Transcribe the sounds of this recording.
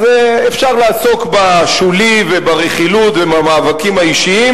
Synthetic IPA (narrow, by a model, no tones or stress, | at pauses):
zeefʃaʁlaːso̞kbaʃulivebaʁeχilut̪vemamaːvakimaiʃiim